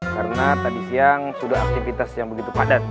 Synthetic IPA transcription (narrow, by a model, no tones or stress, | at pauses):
karənat̪adisiaŋsudaɦa̰k̚t̪ivit̪asjaŋbəɡit̪ukadan